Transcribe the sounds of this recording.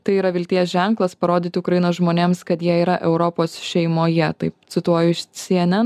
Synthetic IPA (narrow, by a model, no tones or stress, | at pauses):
t̪ɐɪiːɾɐʋʲɪlʲt̪ʲiɛsʒʲɛŋklˠɐspɐɾoːd̪ʲɪːt̪ʲɪʊkɾɐjɪnoːsʒmoːnʲeːmskɐt̪jiɛiːɾɐʔɛʊɾɔpoːsʃʲɛɪmoːjɛt̪ɐɪpt̪sʲɪt̪uɔjʊʃsʲiɛnʲɛ